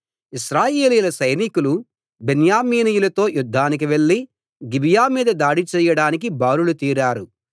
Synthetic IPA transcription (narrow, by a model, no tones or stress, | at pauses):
iʃɾaːjeːliːlɐsɐjnikulu | benjaːmiːnijulɐt̪o̞ːjud̪ʱːaːnik̬iʋe̞ɭːi | ɡibʱijaːmiːd̪ɐd̪aːɽit͡ʃɛːjɐɽaːnik̬ibaːɾulut̪iːɾaːɾu